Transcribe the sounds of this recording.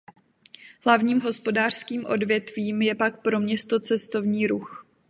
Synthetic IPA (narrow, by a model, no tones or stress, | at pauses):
ɦlavɲiːmɦo̞spo̞daːr̥skiːmʔo̞̰dvjɛt̪viːmjɛpakpɾo̞mɲɛst̪o̞t͡sɛst̪o̞vɲiːɾux